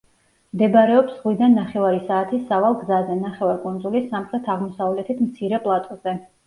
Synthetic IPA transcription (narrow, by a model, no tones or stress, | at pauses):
md̪ɛbaɾɛɔpsʁwid̪anːaχɛvaɾisaːt̪ʰisavalˠɡzazɛnaχɛvaɾkʼund̪zulisamχɾɛt̪ʰaʁmɔsavlɛt̪ʰit̪ʰmt̪sʰiɾɛpʼlˠat̪ʼɔz̥ɛ